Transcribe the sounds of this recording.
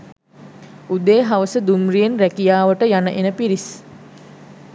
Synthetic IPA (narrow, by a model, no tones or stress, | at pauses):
ud̪eːɦaʋəsəd̪umrijenrækijaːʋəʈəjanəʔenəpiɾis